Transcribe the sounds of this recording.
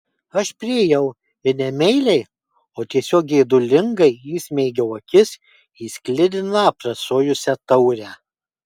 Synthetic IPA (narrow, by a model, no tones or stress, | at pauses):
ɐʃpʲɾʲɪɛjɛʊ | ɪɾnʲɛmʲɛɪlʲɛɪ | oːt̪ʲiɛsʲoːk̚ɡʲɛɪd̪ʊlʲɪŋɡɐɪjismʲɛɪɡʲɛʊɐkʲɪs | iːsʲklʲɪd̪ʲɪnɑpɾɐsoːjʊsʲɛt̪ɐʊɾʲæː